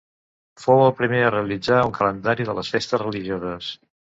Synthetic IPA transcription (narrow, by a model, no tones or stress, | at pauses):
fowəlˠpɾimeəreəlid͡zauŋkʰələnd̪aɾiðələsfest̪əsrəliʒiozəs